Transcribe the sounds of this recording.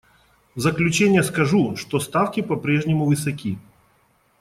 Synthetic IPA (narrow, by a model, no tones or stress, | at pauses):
zəklʲʉt͡ɕenʲɪjəskɐʐuʂt̪ost̪afkʲɪpɐpɾʲeʐnʲɪmʊvɨsɐkʲi